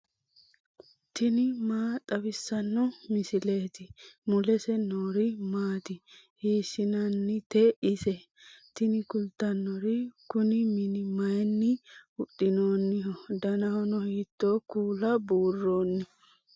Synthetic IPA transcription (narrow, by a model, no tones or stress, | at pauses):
t̪ɪnɪmaːt̪ʼɐbɪsːɐnːɔmɪsɪleːt̪ɪmʊlɛsɛnoːɾɪmaːt̪ɪ | hiːsːɪnɐnːɪt̪ɛɪsɛ | t̪ɪnɪkʊlt̪ːɐnːɔɾɪkʊnɪmɪnɪmɐjɛnːɪʊtːɪno̞ːnːɪɦɔd̪ɐnɐhɔnɔhiːt̪ːoːkuːlɐbuːrːo̞ːnːɪ